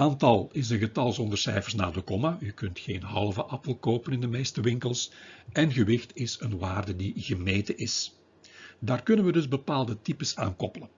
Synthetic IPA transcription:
aːntɑlˠɪz̬ənɣətɑlˠzɔndərsɛjfərsna̰ːdəkɔmaykɵntxeːnɦɑlˠvəʔɑpəlˠkoːpənɪndəmeːstəʋɪŋkəlˠsʔɛnɣəʋɪxtɪsənʋaːrdədiɣəmeːtəʔɪs | daːrkɵnənʋədɵzbəpaːlˠdətipəsa̰ːnkɔpələn

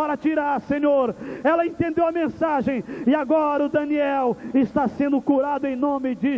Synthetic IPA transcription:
aɾɐt͡ʃiɾaɾsẽɲoɾɛlɐẽnt̪ẽnd̪ewɐmẽsaʒẽj̃ɪaɡɔɾɐʊd̪ɐniɛwɪst̪asẽnd̪ʊkuɾad̪ʊẽj̃nõmɪd͡ʒɪ

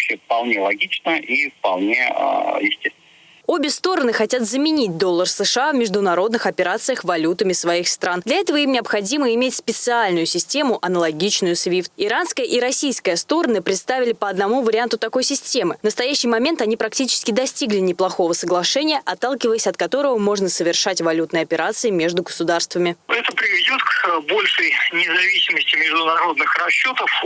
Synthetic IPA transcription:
ɕefpɐlˠnʲelˠɐɡʲit͡ɕnəʔifpɐlˠnʲeə̰jɪsʲtʲest̪vʲɪn | o̞bʲɪst̪o̞ɾənɨxɐtʲat̪zəmʲɪnʲit̚ʲd̪o̞lˠːərsɨʂɨavmʲɪʐd̪ʊnɐɾo̞d̪nɨxɐpʲɪɾat̪sɨjəxvɐlʲut̪əmʲɪsvɐixst̪ɾand̪lʲɐɛt̪əvəimnʲɪəpxɐdʲiməɪmʲetʲspʲɪt̪sɨalʲnʊjʊsʲɪsʲtʲe̞mʊʔɐnəlˠɐɡʲit͡ɕnʊjʊsvʲift̪ɪɾanskəjəʔiɾɐsʲijskəjəst̪o̞ɾənəpɾʲɪt̪st̪avʲɪlʲɪpəɐd̪nɐmuvəɾʲɪant̪ʊt̪ɐko̞jsʲɪsʲtʲe̞mɨnəst̪ɐjæɕːɪjmɐmʲe̞nt̪ɐnʲipɾɐktʲit͡ɕɪ̥skʲɪd̪ɐsʲtʲiɡlʲɪnʲɪplˠɐxo̞vəsəɡlˠɐʂɛnʲɪjəʔɐt̪ːalˠkʲɪvəjɪsʲɐt̪kɐt̪o̞ɾəvəmo̞ʐnəsəvʲɪrʂatʲvɐlʲut̪nəjɐpʲɪɾat̪sɨɪmʲe̞ʐd̪ʊɡəsʊd̪arst̪vəmʲɪɛt̪əpɾʲɪvʲɪdʲo̞t̪kbo̞lʲʂəjnʲɪzɐvʲisʲɪməsʲtʲɪmʲɪʐd̪ʊnɐɾo̞d̪nɨxrɐɕːo̞t̪əf

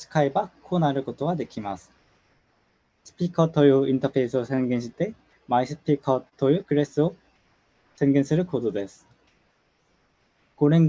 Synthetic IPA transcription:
sʰɯ̥kʰaibakʰonaɾɯɭkotʰoɡanɯkʰimas | sʰɯ̥pʰikʰʌtʰːojuintʰʌpʰeisʰɯsʰenɡinɕʰit͈e̞ | maisʰɯ̥pʰikʰʌtʰːojukɯɾes͈o | sʰenɡinsʰɯɾɯkododwes | koɾeŋ

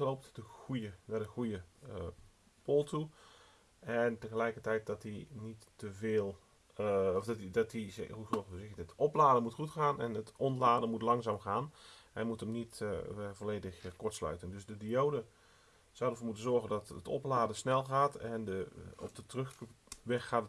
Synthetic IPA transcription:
lowp̚tdəxujənaːdəxujə | polˠtʰu | ɛntəɣəlɛjkərtɛjt̚dɔtinitːəvɪːlˠ | ɔftdɔtiɦusɔsɪəətɔplaːdəmutxutxaːnɛ̰nətɔnlaːdəmutlɑŋzaːmxaːnɛnmutəmnitvoleːdəxkɔtslœ̰ɥtəndøsdədioːdə | sawdərvoːrmutənzɔrɣəndɔtətɔ̰plaːdəsnɛlˠxaːtɛndəɔ̰p̚dətrøxʋɛxːaːt

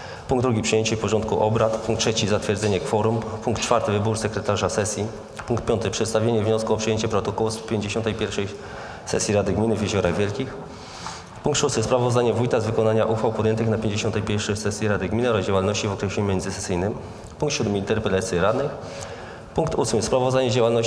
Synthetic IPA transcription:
pũŋɡd̪ɾuɡʲipʂɨjeɲt͡ɕɛfpɔʐɔnt̪̚kuʔɔbɾat̪puŋkt̪ʂɛt͡ɕizat̪fʲjɛɾd̪zɛɲɛkfɔɾumpuŋkt̪t͡ʂfaɾt̪ɘvɘbuɾsɛkɾɛt̪aʐasɛsʲji | puŋkt̪pʲɔnt̪ɘpʂɛt̪st̪avʲjeɲɛvɲɔskuɔpʂɨjeɲt͡ɕɛpɾɔt̪ɔkɔwuspʲjeɲd͡ʑeɕɔnt̪ɛjpʲjɛɾfʂɛj | sɛ̰sʲjiɾad̪ɘɡmʲinɘvʲjeʑɔɾaɣvʲjɛlkʲix | puŋkt̪ʂust̪ɘspɾavɔzd̪aɲɛvujt̪azvɘkɔnaɲaʔuxfawpɔd̪jɛnt̪ɘxnapʲjeɲd͡ʑeɕɔ̃nt̪ɛjpʲjɛɾfʂɛsɛsʲjiɾad̪ɘɡmʲinɾɔd͡ʑawalnɔɕt͡ɕivɔkɾɛɕlʲumʲjɛnd̪zɘsɛsɘjnɘm | puŋkt̪ɕud̪mɘint̪ɛɾpɛlat̪sʲjɛɾad̪nɘx | puŋk̚t̪usmɘspɾavɔzd̪aɲɛd͡ʑawalnɔɕ

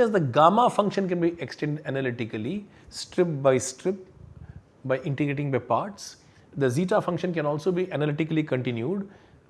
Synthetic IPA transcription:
ɛzd̪əɡaːmafʌ̃ŋkʃə̃nkɛ̃nbiʔeksʈẽːɳɖɛnɐlɪʈɪkəli | sʈɾɪp̚baɪsʈɾɪp̚ | baɪʔɪ̃ɳʈɪɡɾeːʈɪ̃ŋbaɪpaːɾʈs | d̪əziːʈafʌ̃ŋkʃə̃nkɛ̃nɔːlsoːbiʔɛnəlɪʈɪkəlikə̃ɳʈɪ̃njuːɖ

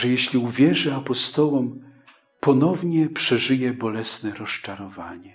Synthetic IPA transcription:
ʐɛjɛɕlʲiuvʲjɛʐɘapɔst̪ɔwɔm | pɔnɔvɲɛpʂɛʐɘjɛbɔlɛsnɛɾɔst͡ʂaɾɔvaɲɛ

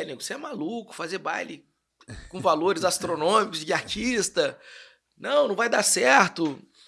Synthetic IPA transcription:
niɡʊseɛmalukʊ̥fazeɾba̰jlɪ | kõvaloɾɪzast̪ɾonõmikʊzd͡ʒɪaɾt͡ʃist̪ɐ | nɐ̃w̃nɐ̃w̃vajd̪asɛɾt̪ʊ

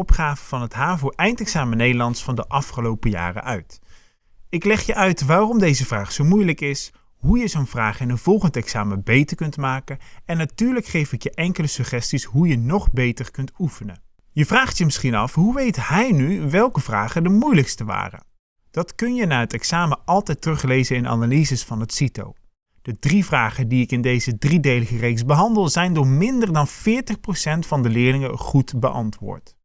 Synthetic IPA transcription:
ɔpχaːvəvɑnɦətɦaːvowʔɛjntɛksaːmənejdəlɑnsfɑndəʔɑfχəlowpəja̰ːrə̰ʔœɥt | ɪklɛχjəʔœɥtʋaːrɔmdejzəvraːχsowmujləkɪs | ɦujəzownvraːχɪnənv̥ɔlˠχəntɛksaːməbejtəɹkɵntmaːkənɛnːatyːɹləkχejfɪkjəʔɛŋkələsɵχɛstisɦujənɔχbejtərkɵntufənə | jəvraːχtjəmɪsχinɑ̰fɦuʋejthɛjnyʋɛlˠkəvra̰ːχədəmujləkstəʋa̰ːrə̰n | d̥ɑtkɵnjənaːɦətɛksaːməʔɑlˠtɛjtrɵχlejzənɪna̰nalizəsfɑnɦətsito̰w | d̥ədrivraːχədiɪkɪndejzədridejləχərejksbəɦɑndəlˠzɛjndʊːɹmɪndərdɑnvɪːɹtəχprowsɛntfɑndəlɪːɹlɪŋəχutbə̰ʔɑ̰ntʋʊ̰ːɹt

